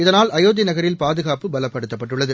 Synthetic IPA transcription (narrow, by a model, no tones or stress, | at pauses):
ɪðɐnaːlɐjoːðɪnɐɣɐɾɪlpaːðɯɣaːpɯbɐlɐpːɐɽɯt̪ːɐpːɐʈːɯɭːɐðɯ